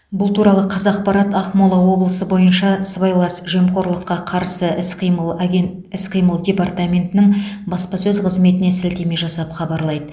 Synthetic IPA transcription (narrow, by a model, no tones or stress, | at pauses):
bʊlˠt̪uɾɑlˠəqʰɑzɑqpɑɾɑt̪ɑqmolˠɑwo̞blˠəsəbo̞jənʃɑsvɑjlˠɑsʒemqo̞ɾlˠəqːɑqʰɑɾsəʔɪjməlˠʲ | ɪsqʰijməlˠdʲe̞part̪amʲe̞nt̪ɪnɪŋbɑspɑsɵzqʰəzme̞t̪ɪne̞sɪld̪e̞me̞ʒɑsɑpχɑbɑɾlˠɑjd̪ə